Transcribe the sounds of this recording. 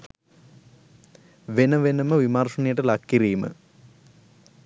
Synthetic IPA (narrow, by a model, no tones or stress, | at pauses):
ʋenɐʋenɐmɐʋimaːrʂɐɳijeʈːelakːiriːmɨ̰